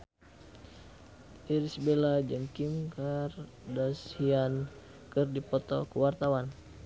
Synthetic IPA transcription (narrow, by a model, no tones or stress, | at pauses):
ʔiɾisbelad͡ʒəŋkimkar | dashian | kɨrdipɔt̪ɔkəwart̪awan